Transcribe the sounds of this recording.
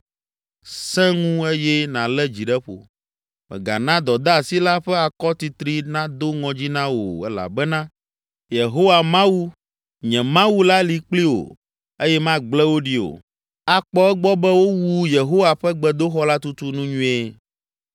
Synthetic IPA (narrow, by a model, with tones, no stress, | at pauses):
sɛ̃˦ŋũ˦e˦jɛ˦nã˨lɛ˦d͡ʑi˨ɖɛ˦ɸo̰˨ | mɛ̰̃˨ɡa̰˨nã˦d̪ɔ˨d̪a˦˨si˦la˦ɸɛ˦a˨kɔ˦t̪i˨t̪ɾi˦nã˦d̪o˦ŋɔ̃˨d͡ʑi˦nã˦wo̰˨ɛ̰˦la̰˨bɛ˦nã˦ | je˨ɦo˦wa˨mã˦wu˦ | ɲɛ̃˨mã˦wu˦la˦li˨k͡pli˦o̰˨ | e˦jɛ˦mã˦ɡ͡blɛ˦wo˦ɖi˦o̰˨ | a˨k͡pɔ˦ɛ˦ɡ͡bɔ˦bɛ˦wo˦wu˦je˨ɦo˦wa˨ɸɛ˦ɡ͡bɛ˦d̪o˦xɔ˦la˦t̪u˦t̪u˦nũ˦ɲũ˦ɛ˦